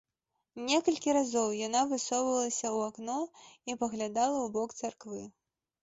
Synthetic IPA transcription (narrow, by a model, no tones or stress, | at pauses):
nʲɛkɐlʲkʲiɾazɔwjanavɨsɔwvɐlˠɐsʲɐwaknɔipɐɣlʲad̪alˠɐwbɔkt̪sarkvɨ